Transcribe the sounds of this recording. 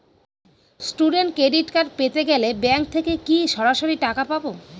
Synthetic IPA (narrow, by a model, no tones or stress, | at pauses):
sʈuɖenʈ̚kɾeɖiʈkaɾpet̪eɡɛlebɛŋk̚t̪ʰekekiʃɔɾaʃoɾiʈakapabo